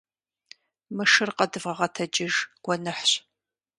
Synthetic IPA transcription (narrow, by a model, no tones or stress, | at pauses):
mɨʂɨrqɐdɨvʁɐʁɐtʰɐd͡ʒɪʒɡ̥ʷɔnɨħɕ